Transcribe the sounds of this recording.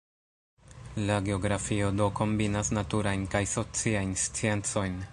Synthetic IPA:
laɡe̞o̞ɡɾafio̞do̞ko̞mbinasnatuɾajnkajso̞t͡siajnst͡sie̞nt͡so̞jn

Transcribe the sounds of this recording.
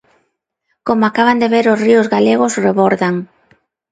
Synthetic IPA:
komoakaβand̪eβeɾʊsriʊzɣaleɣʊsreβoɾðaŋ

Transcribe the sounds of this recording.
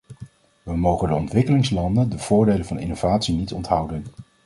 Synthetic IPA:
ʋəmowχəndəɔ̰ntʋɪkəlɪŋslɑndəndəv̥ʊːɹdejlənvɑnɪ̰nowvaːtsinitɔntɦʌwdən

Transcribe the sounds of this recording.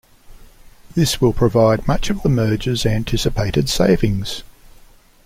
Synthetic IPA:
ðɪswɪlˠpʰɹ̥əvɑɪd̚mʌt͡ʃʌvðəmɜ˞d͡ʒəzæ̃ntʰɪsɨpʰeɪɾɨd̥seɪvɪ̃ŋz̥

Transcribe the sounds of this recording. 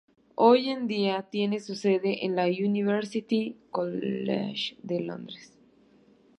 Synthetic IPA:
oje̞nd̪iat̪je̞nesuseðeʔenlauniβeɾsit̪ikolḛʃd̪elo̰nd̪ɾes

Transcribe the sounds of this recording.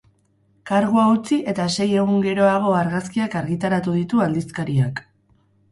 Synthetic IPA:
kaɾɣuaut͡siʔe̞t̪ase̞je̞ɣuŋɡe̞ɾo̞aɣ̞o̞aɾɣaskiakaɾɣit̪aɾat̪uðit̪uald̪iskaɾiak

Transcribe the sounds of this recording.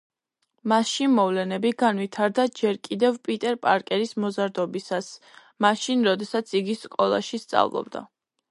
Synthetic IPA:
maʃimɔvlɛnɛbiɡanvit̪ʰaɾd̪ad͡ʒɛɾkʼid̪ɛvpʼit̪ʼɛɾpʼaɾkʼɛɾismɔzaɾd̪ɔbisas | maʃinɾɔd̪ɛsat̪sʰiɡisqʼɔlˠa̰ʃist̪sʼa̰vlˠɔ̰b̚d̪a̰

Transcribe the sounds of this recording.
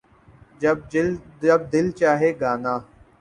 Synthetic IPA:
d͡ʒəbəb̚d̪ɪlt͡ʃaːɦeːɡaːnaː

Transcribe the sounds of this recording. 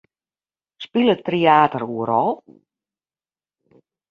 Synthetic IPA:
spilˠətriaːtəruəɾɔlˠ

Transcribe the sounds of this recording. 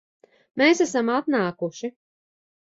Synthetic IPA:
meːsæsamat̪naːkuʃi

